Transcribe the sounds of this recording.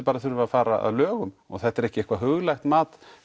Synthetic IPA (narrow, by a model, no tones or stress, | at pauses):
ɾpaːɾaθʏɾvafaːɾaa̰ðlœːɣʏmɔ̰ɣθɛht̪ːɛɾɛhcɪɛhkvaɦʏɣlajxt̪maːt̪